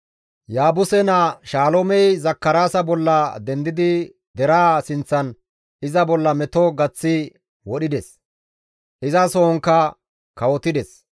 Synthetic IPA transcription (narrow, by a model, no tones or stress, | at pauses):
jaːbʊsɛnɐʃaːlomɛjzɐkːɐɾaːsɐbɔlːɐd̪ɛnd̪ɪd̪ɪ | d̪ɛɾaːsɪnt͡sːɐn | ɪzɐbɔlːɐmɛt̪oɡɐt͡sːɪ | wɔɗɪd̪ɛs | ʔɪzɐsoɔŋkːɐ | kɐwɔt̪ɪd̪ɛs